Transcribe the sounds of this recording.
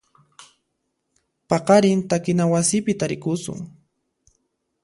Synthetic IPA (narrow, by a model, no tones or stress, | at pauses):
pɑqɑɾɪnt̪akɪnawasɪpɪt̪aɾɪkʊsʊ̰ŋ